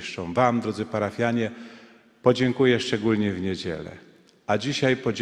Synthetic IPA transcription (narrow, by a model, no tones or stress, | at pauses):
ʂt͡ʂɔ̃w̃vamd̪ɾɔd̪zɘpaɾafʲjaɲɛ | pɔd͡ʑɛŋkujɛʂt͡ʂɛɡulɲɛvɲed͡ʑɛ̰lɛ̰ | ad͡ʑiɕajpɔd͡ʑ